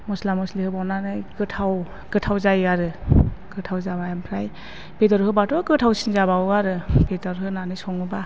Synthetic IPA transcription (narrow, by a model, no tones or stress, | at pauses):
mɔslamɔslihɯbananɯjkɯtʰaw | kɯtʰawzajaɾɯkɯtʰawzabajampʰɾaj | pedɔɾhɯbatɔkɯtʰawsinzabawaɾɯpetɔɾɦɯnanɯjsɔŋɯba